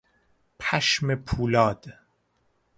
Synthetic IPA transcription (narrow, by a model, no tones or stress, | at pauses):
pʰæʃmepʰuːlɒːd̪̥